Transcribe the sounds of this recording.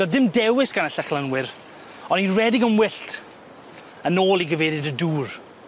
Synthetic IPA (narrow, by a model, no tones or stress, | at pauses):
ɔdɪmdɛwɪsɡ̥anəɬaχlənwɪɾ | ɔnirɛdɪɡəmwɪɬtʰ | ənoːlˠiɡəveːðɨdəduːr